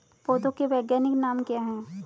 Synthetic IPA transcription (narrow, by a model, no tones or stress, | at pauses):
poːd̪õkeʋɛːɡjaːnɪknaːmkjaɦɛ̃ː